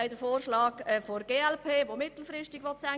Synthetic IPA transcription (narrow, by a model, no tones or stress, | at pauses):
ɪd̥əfoːrʃlɑːɡɛfoɾɡ̥eːɛlpʰeːʋomɪt̪l̩frɪʃtɪɡ̥ʋɔt̚t͡sæ